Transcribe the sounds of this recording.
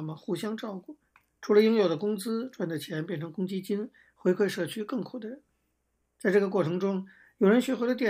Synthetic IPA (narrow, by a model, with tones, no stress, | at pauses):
mə˩xu˧˥ɕjɑ˥ŋʈ͡ʂɑ˥˧ʊku˥˩ | ʈ͡ʂʰu˧˥lə˧jʊ˥ŋjo˨˩ʊd̪ə˦kʊ˥ŋt͡sɹ̩˥ʈ͡ʂwa˥˩nd̪ə˨˩t͡ɕʰjɛ˧˥npjɛ˥˩nʈ͡ʂʰɤ˧˥ŋkʊ˥ŋt͡ɕi˥t͡ɕi˥n | xwe˧˥ɪkʰwe˥˧ɪʂɤ˥˩t͡ɕʰy˥kɤ˥˩ŋkʰu˨˩d̪ə˦ɻə˧˥n | t͡sa˥˧ɪʈ͡ʂɤ˥˩ɡə˩k̬wɔ˥˩ʈ͡ʂʰɤ˧˥ŋʈ͡ʂʊ˥ŋ | jo˨˩ʊɻə˧˥nɕɥɛ˧˥xwo˥ɪd̪ə˧t̪jɛ˥˩